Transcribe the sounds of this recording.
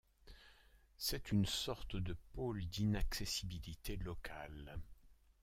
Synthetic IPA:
sɛt̪ynsɔʁt̪d̪əpold̪inaksesibilit̪elɔkʰal

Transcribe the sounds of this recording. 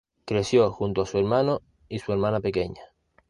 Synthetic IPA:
kɾe̞sjoxunt̪oasueɾmãno | isue̞ɾmãnape̞keɲa

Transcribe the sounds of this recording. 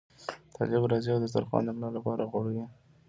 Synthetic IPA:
t̪ʰɑ̰lɪbɾɑziawd̪əza̰ɾxɑ̰nd̪amlɑlapɑɾaɣwɑɽəwi

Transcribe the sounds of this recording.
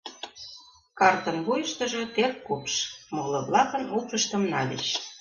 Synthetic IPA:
kɑrt̪ə̆nbujə̆ʃt̪ə̆ʒɤ̽t̪erkːupʃmolɤ̆βlɑkɤ̆nupə̆ʃt̪ə̆mnɑlʲḛʃ

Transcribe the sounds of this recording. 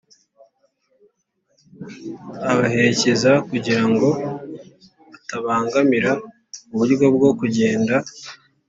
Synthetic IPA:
aβahe̞ɾece̞zakuɟiɾaŋɡo̞ | βataβaːŋɡamiɾa | uβuɾɡo̞bɡo̞kuɟe̞ːnda

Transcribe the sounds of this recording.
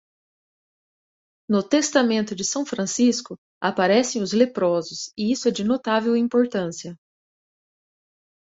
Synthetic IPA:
nʊt̪est̪amẽnt̪ʊd͡ʒɪsɐ̃w̃fɾɐ̃siskʊ | apaɾɛsẽj̃ʊzlepɾɔzʊsɪisʊɛd͡ʒɪnot̪avewĩmpoɾt̪ɐ̃siɐ

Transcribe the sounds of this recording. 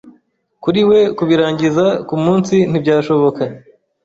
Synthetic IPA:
kuɾiwe̞kuβiɾaːɲɟizakumuːnsin̥ibɟaːʃo̞βo̞ka

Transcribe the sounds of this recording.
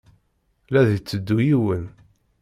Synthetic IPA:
læðit͡sːəd̪ːujiwən

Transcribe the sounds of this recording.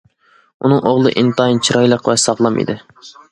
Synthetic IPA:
unɨŋoʁlˠɨ̰ʔint̪ɑint͡ʃʰiɾɑjlˠəqvɛsɑʁlˠɑmḭd̪ɪ

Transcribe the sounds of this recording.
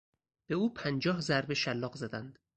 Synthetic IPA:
b̥e̞uːpʰænd͡ʒɒːhzæɾbeʃælːɒːɣzæd̪ænd̪̥

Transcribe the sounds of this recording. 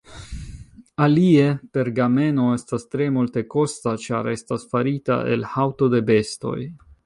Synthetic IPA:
alie̞pe̞ɾɡame̞no̞e̞stast̪ɾe̞multe̞ko̞stat͡ʃa̰ɾe̞stasfaɾita̰ʔḛlhawto̞de̞be̞sto̞̰j

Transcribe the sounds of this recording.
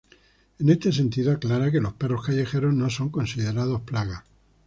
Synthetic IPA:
e̞ne̞st̪e̞s̬e̞nt̪iðoaklaɾake̞lo̞spe̞ro̞hkaʝe̞xe̞ɾo̞zno̞so̞ŋko̞nsið̞e̞ɾað̞o̞splaɣa

